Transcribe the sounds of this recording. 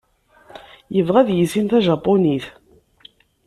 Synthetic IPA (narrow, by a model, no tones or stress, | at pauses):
jəvʁæðjisinθæʒɑpːoniθ